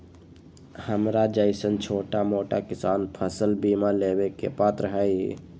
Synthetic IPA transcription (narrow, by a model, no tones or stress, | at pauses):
həmɾad͡ʒəɪsənt͡ʃʰoːʈamoːʈakɪsaːnpʰəsəlbiːmaleːbekḛpaːt̪ɾəɦɛḭ